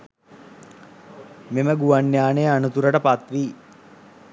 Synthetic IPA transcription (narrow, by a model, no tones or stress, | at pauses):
meməɡuanːjaːneanut̪uɾəʈəpat̪ʋiː